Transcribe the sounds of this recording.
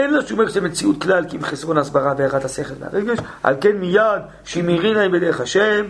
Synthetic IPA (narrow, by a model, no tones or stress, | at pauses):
enloʃumeʁʃzemet͡siut̪klalkimχesʁo̞naːsbaʁaveaʁat̪haseχelm̰a̰ʁeɡe̞ʃ | a̰lkenmijad̪ | ʃimiʁinajbed̪eʁeχhaʃem